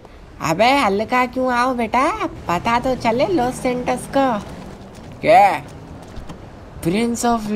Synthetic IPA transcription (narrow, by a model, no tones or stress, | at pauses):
ɐ̰beɐlkakjũːaːobeːʈapɐt̪at̪ot͡ʃɐleloːsẽɳʈəɾsko | ke | pɾɪnsɔːf